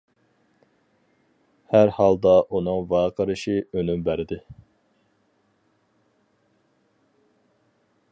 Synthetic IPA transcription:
hæɾhɑlˠd̪ɑʔunɨŋvɑːqʰəɾɨʃiønymbæɾɪd̪ɪ

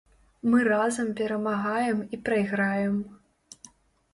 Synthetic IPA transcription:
mɨrazɐmpʲɛɾɐmaɣajɛmipɾɐjɣɾajɛm

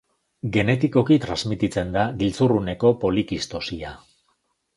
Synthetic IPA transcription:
ɡe̞ne̞t̪iko̞kit̪ɾanzmit̪it͡se̞nd̪aɡilt͡surune̞ko̞po̞likist̪o̞sia

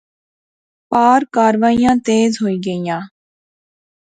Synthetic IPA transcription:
paːɾkaːɾʋaːijãːt̪eːzɦoːiːɡəijãː

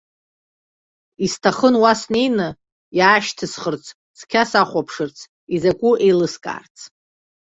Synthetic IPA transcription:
istʰaχənwasnejnɨ | jaːʃtʰɨsχərt͡sʰ | skʲʰasaχʷapʰʂɨrt͡sʰ | izakʷʼuʔejlɨskʼa̰ːrt͡sʰ

